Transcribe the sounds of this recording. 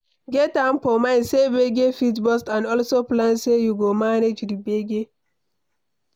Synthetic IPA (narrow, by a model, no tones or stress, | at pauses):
ɡɛtãmfɔmãɪ̃nsebeɡefitbɔstãnɔlsoplãnsejuɡomaned͡ʒdibeɡe